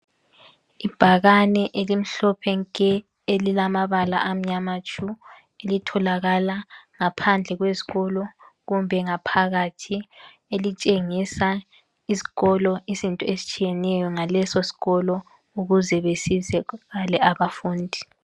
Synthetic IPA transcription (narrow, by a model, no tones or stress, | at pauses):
ib̥ʱaɣanɛʔelim̩ɬɔpʰɛŋkʼɛ | elilamaβala̰ʔam̩ɲamat͡ʃʼu | elitʰɔlaɣalaŋapʰand͡ɮʱɛɣwezi̥ɣɔlɔɣumbʱɛŋapʰaɣatʰi | elit͡ʃʼeŋisa | izi̥ɣɔlɔizintʼɔesi̥t͡ʃʼijɛnɛjɔŋalɛsosi̥ɣɔlɔ | uɣuzɛβesizɛɣalɛaβafuːndʱi